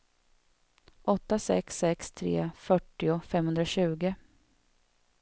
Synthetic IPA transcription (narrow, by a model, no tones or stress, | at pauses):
ʔɔt̪ːasɛ̰ksɛkst̪ʰɾḛːfœʈːɪʊfɛmːhɵnd̪ɾaɕʉ̟ːɡə